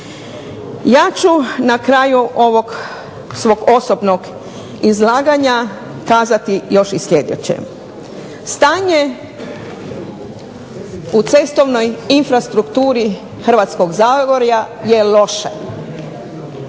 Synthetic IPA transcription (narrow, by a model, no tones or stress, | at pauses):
jaːt͡ɕunakɾaːjuʔo̞ʋoɡ | sʋo̞ɡo̞sobnoɡ | izlaːɡaɲa | kaːzat̪ijo̞ʃisʎed̪ḛt͡ɕḛ | st̪aːɲe | ut̪se̞st̪o̞ʋnojinfɾast̪ɾukt̪uːɾi | xr̩ʋat̪sko̞ɡzaːɡoɾja | jelo̞ʃḛ